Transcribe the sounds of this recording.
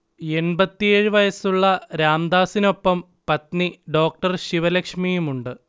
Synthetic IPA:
e̞nbɐt̪ːijeːɻɨʋɐjɐsuɭːɐɾaːmd̪aːsino̞pːɐm | pɐt̪niɖo̞ːk̚ʈɐrɕiʋɐlɐkʂmijumuɳɖɨ

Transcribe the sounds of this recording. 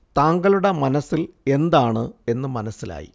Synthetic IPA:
t̪aːŋɡɐɭuɽemɐnɐsːile̞nd̪aːɳɨe̞nːɨmɐnɐsila̰ːjḭ

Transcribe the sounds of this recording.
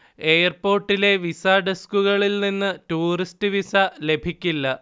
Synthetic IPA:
e̞ːjɐrpo̞ːrʈːile̞ʋisɐɖeskuɣɐɭilninːɨtuːristɨʋisɐle̞bʱikʲːilːɐ

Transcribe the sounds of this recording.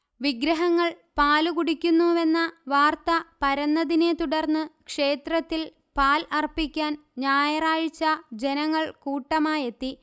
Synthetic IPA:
ʋiɡɾɐɦɐŋːɐɭ | paːlukuɽikʲːunːuʋe̞nːɐʋaːrt̪ɐpɐɾɐnːɐðine̞t̪uɽɐrnːɨkʂe̞ːt̪rɐt̪ːil | paːlɐrpikʲːaːnɲaːjɐraːɻit͡ɕːɐd͡ʑe̞nɐŋːɐɭkuːʈːɐmaːje̞t̪ːi

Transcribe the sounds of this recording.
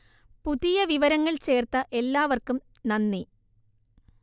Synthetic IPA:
puðijɐʋiʋɐɾɐŋːɐɭt͡ɕe̞ːrt̪ɐʔe̞lːaːʋɐrkum | nɐnːi

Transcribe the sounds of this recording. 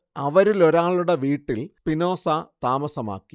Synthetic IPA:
ɐʋɐɾilo̞ɾaːɭuɽeʋiːʈːilpino̞ːsat̪aːmɐsɐma̰ːkːi

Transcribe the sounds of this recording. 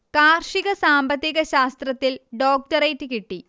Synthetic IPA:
kaːrʂiɣɐsaːmbɐt̪ːiɣɐɕaːst̪rɐt̪ːilɖoːk̚tɐɾejtːɨkiʈːi

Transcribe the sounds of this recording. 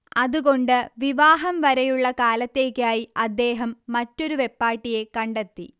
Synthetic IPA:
ɐðuɣo̞ɳɖɨʋiʋaːɦɐmʋɐɾɐjuɭːɐkaːlɐt̪ːe̞ːkʲːaːjiɐd̪ːe̞ːɦɐmːɐtːo̞ɾuʋe̞pːaːʈːije̞kɐɳɖet̪ːḭ

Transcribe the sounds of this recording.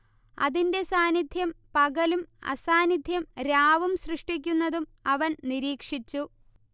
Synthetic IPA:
ɐ̰ðinde̞saːnid̪ʱjɐmpɐɡɐlumɐ̰saːnid̪ʱjɐmɾaːʋumsrɨʂʈik̬ʲːunːɐðumɐʋɐnniɾiːkʂit͡ɕːu

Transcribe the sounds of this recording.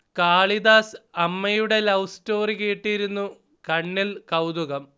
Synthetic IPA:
kaːɭid̪aːsɐmːɐjuɽe̞lɐwsto̞ːriɣeːʈːijɾunːu | kɐɳːilkɐwd̪uɣɐm

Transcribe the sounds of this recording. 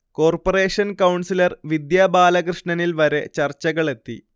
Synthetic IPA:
ko̞ːrpore̞ːʂɐnkɐwɳsilɐrʋid̪jaːbaːlɐkrɨʂɳɐnilʋɐɾe̞t͡ɕɐrt͡ɕːɐɣɐɭe̞t̪ːḭ

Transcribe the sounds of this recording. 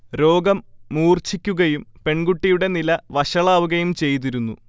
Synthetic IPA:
ɾo̞ːɡɐmːuːrt͡ɕikʲːuɣɐjumpe̞ɳɡuʈːijuɽe̞nilɐʋɐɕɐɭaːʋuɣɐjumt͡ɕe̞jt̪̬iɾunːṵ

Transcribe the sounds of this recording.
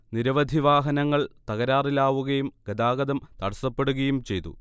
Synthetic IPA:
niɾɐʋɐd̪ʱiʋaːɦɐnɐŋːɐɭt̪ɐɣɐɾaːrilaːʋuɣɐjumɡɐd̪aːɣɐd̪ɐmt̪ɐɽɐsɐpːe̞ɽuɣɐjumt͡ɕe̞jt̪ṵ

